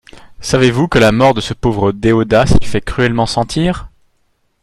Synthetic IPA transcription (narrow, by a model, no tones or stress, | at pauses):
savevukəlamɔʁd̪əsəpovʁəd̪eod̪asifɛkχyɛlmɑ̃sɑ̃t̪ʰiːʁ